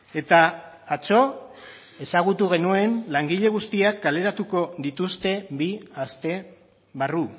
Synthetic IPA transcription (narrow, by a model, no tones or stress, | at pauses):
e̞t̪aː | t͡so̞ | e̞saɣ̞ut̪uɣ̞e̞nue̞nlaŋɡiʎe̞ɣ̞ust̪iakːɡale̞ɾat̪uko̞ðit̪ust̪e̞βiast̪e̞ | βaru